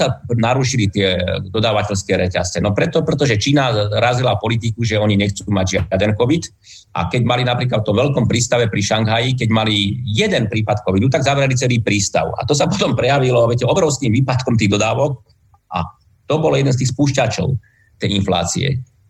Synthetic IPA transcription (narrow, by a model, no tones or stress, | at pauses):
anaɾuʃilit̪ɪɛd̪ɔd̪aːʋacɛʎskɛːɾɛcast͡sɛnɔpɾɛt̪ɔpɾɛt̪ɔʒɛt͡ʃiːnaɾazilapɔlit̪̬ikuʒɛɔɲiɲɛxt͡suːmaɟʒɪaad̪ɛnkɔʋid̪ | ʔa̰kɛɟmalinapɾiːklat̪ft̪ɔmʋɛlkɔmpɾiːst̪aʋɛpɾiʃaŋɡɦajik̬ɛɟmalijɛd̪ɛnpɾiːpat̪kɔʋid̪ut̪aɡzaʋɾɛlit͡sɛliːpɾiːst̪a̰ʊa̰t̪ɔsapɔt̪ɔmpɾɛjaʋilɔʋɪɛcɛɔbɾɔʊskimʋiːpat̪kɔmt̪iːɣd̪ɔd̪aːʋɔk̚ | ʔa̰ | t̪ɔbɔljɛd̪ɛnst̪iːxspuːʃcat͡ʃɔ̰ʊ | t̪ɛjinfla̰ːt͡sḭɛ̰